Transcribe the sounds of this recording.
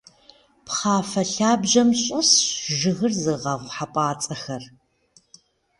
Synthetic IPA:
pχaːfɐɬaːbʑɐmɕʼɪsʒɨɣɨrzɨʁɐʁʷħapʼaːt͡sʼɐxɐr

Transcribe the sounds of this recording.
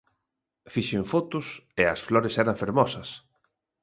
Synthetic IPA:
fiʃɪɱfot̪ʊsɪɐsflɔɾesɛɾɐɱfeɾmɔsɐs

